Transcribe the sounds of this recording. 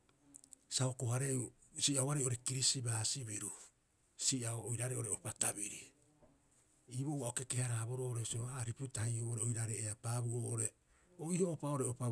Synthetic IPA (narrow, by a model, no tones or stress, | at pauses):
saokohaɾeu | siaoaɾejo̞ɾe̞kiɾisibaːsiβiɾu | siaoojɾaɾeo̞ɾeopatabiɾi | iːβowaoke̞ke̞haɾabo̞ɾoːʔoɾesioaɾiputahiuoɾeojɾaɾeʔeapaːbuoːʔoɾe̞ | oihoːpao̞ɾeopa